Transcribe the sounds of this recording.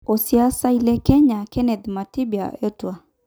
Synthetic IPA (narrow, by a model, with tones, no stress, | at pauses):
o˨si˦a˦sa˦i˦lɛ˦kɛ˦ɲa˨kɛ˦nɛ˨d̪ma˨ti˦bja̰˨e˦twa˨